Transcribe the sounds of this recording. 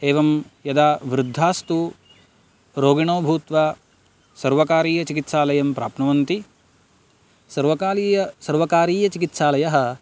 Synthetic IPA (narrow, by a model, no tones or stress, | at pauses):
eːʋɐmjɐd̪aːʋɾud̪ʱːaːst̪u | ɾoːɡiɳoːbʱuːt̪ʋaː | sɐɾʋɐkaːɾiːjɐt͡ʃikit̪saːlɐjɐmpɾaːpnɐʋɐnt̪i | sɐɾʋɐkaːliːjɐsɐɾʋɐkaːɾiːjɐt͡ʃikit̪saːlɐjɐɦɐ̆